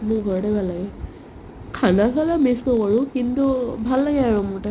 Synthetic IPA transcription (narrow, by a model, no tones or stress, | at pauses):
mʊɡʱɔɹdɛbʱalːaɡɛ | kʰanasalameskɔkɔɹukintubʱalːaɡɛaɹumʊɹtɛ